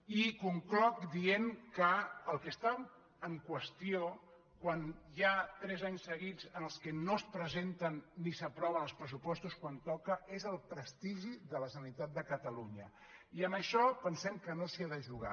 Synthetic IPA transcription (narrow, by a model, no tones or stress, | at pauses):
ikuŋklɔkd̪ienkəəlˠkəst̪a | əŋkwəst̪ijo | kwanjat̪ɾɛzaɲsːəɣid͡zənəlˠskənospɾəzent̪ənːisəpɾɔβənəlˠspɾəs̬upɔst̪uskwant̪ɔkəʔezəlˠpɾəst̪iʒiðələsənit̪at̪̚d̪əkət̪əluɲə | iəməʃɔpənsɛmkənosiaðəʒuɣa̰